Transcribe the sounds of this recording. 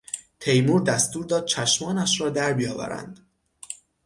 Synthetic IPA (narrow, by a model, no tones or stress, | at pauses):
t̪ʰe̞jmuːɾd̪æst̪uːɾd̪ɒːd̪̥̚t͡ʃʰæʃmɒːnæʃɾɒːd̪æɾbijɒːvæ̰ɾæ̰nd̪̥